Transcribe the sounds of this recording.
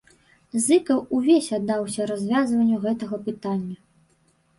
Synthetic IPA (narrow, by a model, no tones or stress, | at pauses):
zɨkɐwuvʲesʲad̪ːawsʲɐɾazʲvʲazvɐnʲːuɣɛt̪ɐɣɐpɨt̪anʲːɐ